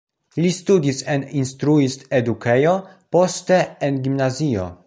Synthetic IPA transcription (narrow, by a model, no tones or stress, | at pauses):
listudiseninstɾuistedukejo̞ | po̞ste̞ːnɡimnazio̞̰